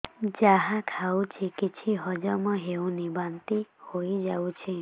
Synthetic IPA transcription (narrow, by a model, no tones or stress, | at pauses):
d͡ʒaɦakʰawt͡ʃʰikit͡ʃʰiɦɔd͡ʒɔmɔɦewnibant̪ihojd͡ʒawt͡ʃʰi